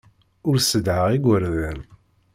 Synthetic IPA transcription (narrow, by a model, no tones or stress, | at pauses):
ʊɾsəd̪ʕəʁiɡʷəɾðæl